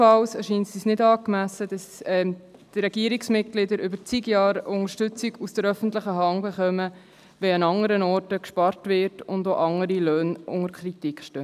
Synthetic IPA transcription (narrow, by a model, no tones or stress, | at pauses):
ɑlsɛʃiːnsisnɪdɑːkmæsəd̥ɑsɛm | d̥ɾɛɡiəɾiksmɪt̚ɡ̥lɪdəɾʏbəɾt͡siɡjɑːɾʊŋəɾʃtʏt͡siɡusd̥əɾœfən̩tləχəɦɑŋbeχœmə | ʋɛɑnɑŋəɾənɔːrtəkʃpɑɾtʋɪːɾtʊndoʔɑŋəɾiløːnʔʊ̰ŋəɾkʰɾitikχʃtøː